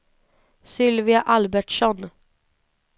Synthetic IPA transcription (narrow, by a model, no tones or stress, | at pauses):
sʏlʋɪaʔɑlbæʈʂɔn